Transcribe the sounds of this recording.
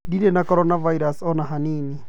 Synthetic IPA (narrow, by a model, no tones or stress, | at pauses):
didenakɔɾɔnavaiɾasɔnaɦaniːni